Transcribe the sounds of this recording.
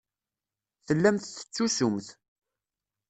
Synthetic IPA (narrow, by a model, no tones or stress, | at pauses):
θəlːæmθθə̥t͡sːusʊmθ